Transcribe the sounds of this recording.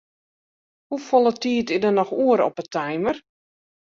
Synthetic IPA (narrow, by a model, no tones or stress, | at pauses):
hufɔlˠətiːətɪdərnɔxuəɾɔ̰pətʰajmər